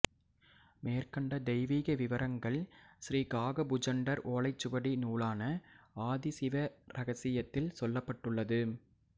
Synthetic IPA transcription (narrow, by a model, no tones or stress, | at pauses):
meːɾkɐɳɖɐd̪ɛɪʋiːɣɐʋɪʋɐɾɐŋɡɐɭsɾiːɡaːɣɐbʊd͡ʒɐɳɖɐɾoːlɐɪt͡ʃːɯbɐɽinuːlaːnɐaːðɪsɪʋɐɾɐɣɐsɪjɐt̪ːɪlsɔlːɐpːɐʈːɯɭːɐðɯ